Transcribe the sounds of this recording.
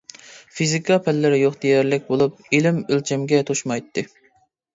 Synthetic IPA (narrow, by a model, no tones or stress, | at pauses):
fizikʰɑpʰɛlːɪɾɪjoχd̪ejɛɾlɪk̚ʲbolˠup̚ilɪmølt͡ʃʰɛmɡʲɛt̪ʰoʃmɑjt̪ʰːɨ